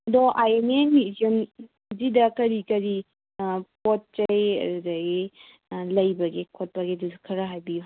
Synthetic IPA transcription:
ɐdɔʔajenenmizion | zidɐkɐɾikɐɾi | pot̚t͡ʃɐjɐ̰ɾudɐɡe | lɐjbɐɡekʰot̚pɐɡeduzukʰɐɾɐɦajbiju

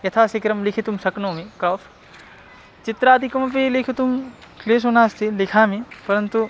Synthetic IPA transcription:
jɐt̪ʰaːsekɾɐmlɪkʰet̪umsɐknoːmẽkɾɔːf | t͡ʃɪt̪ɾaːd̪ikɐmɐpelekʰet̪umkleːs̬oːnaːst̪ʰilɪkʰaːmẽpɐɾɐnt̪u

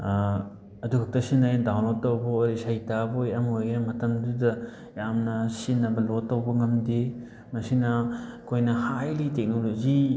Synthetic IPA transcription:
ɐdukʰɐk̚tɐsinːajdawnlotɐwbɐɾisajtabojɐmojɡnɐmɐtɐŋdudɐ | jamnɐsinːɐbɐlotːɐwbɐŋɐmdi | mɐsinɐkʰojnɐhajlitek̚nolod͡ʒi

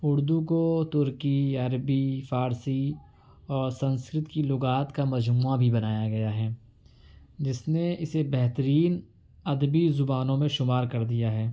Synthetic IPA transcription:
ʊɾd̪ukot̪ʊɾkiɐɾbifaːɾsi | ɔːɾsɐ̃nskɾɪt̪kilʊɡaːt̪kamɐd͡ʒmuːabʱibɐnaːjaɡɐjaɦɛː | d͡ʒɪsneɪsebɛɦt̪əɾiːn | ɐd̪bizʊbaːnõmẽʃʊmaːɾkɐɾd̪ijaɦɛː

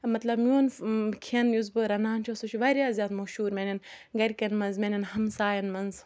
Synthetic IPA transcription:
mɐt̪lɐbmʲjuːnkʰiɐnjuzbɨɾɐnaːnt͡ʃʰosut͡ʃʰuʋɐɾʲjaːzʲjaːd̪mɐʃuːɾmʲenʲɐnɡɐɾʲkɐnmɐnzmʲenʲɐnhɐmsaːjɐnmɐnz

